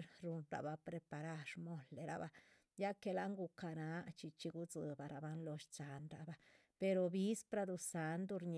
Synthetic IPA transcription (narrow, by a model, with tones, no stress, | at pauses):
ɾɾu˧nɾa̰˨ba˧pɾe˧pa˨ɾa˦˧ʃmo˧lːe˨ɾa̰˨ba˧ | ja˦ke˧la˦ŋɡu˧ka˧na˨˦t͡ʃi˧t͡ʃi˧ɡu˦d͡zɨ˧ba˨ɾa˨ba˧˦nlo˧ʃt͡sa˨nɾa˨ba˨ | pe˧ɾo˧bi˦spɾa˧d̪u˧sa˨˧nd̪u˧ɾɲ